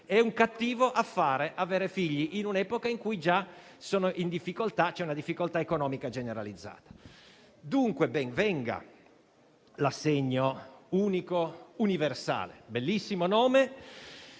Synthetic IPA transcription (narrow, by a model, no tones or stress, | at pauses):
ɛuŋkat̪ːiːvoʔafːaːɾeʔaveːɾefiʎːiʔinunɛːpokaiŋkujd͡ʒa | soːnoʔind̪ifːikolt̪at͡ʃɛunad̪ifːikolt̪aekonɔːmikad͡ʒeneɾa̰lid̪zːa̰ːt̪ḁ | d̪uŋkwebɛŋvɛŋɡa̰ | lasːeɲːouːnikouniversa̰ːlḛbelːisːimonoːme